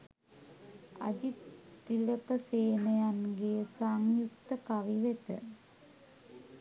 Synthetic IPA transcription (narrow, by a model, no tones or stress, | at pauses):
ɐ̰d͡ʑiilɐkɐseːnɐjanɡejsaŋjukt̪ɐkɐʋiʋet̪ə̰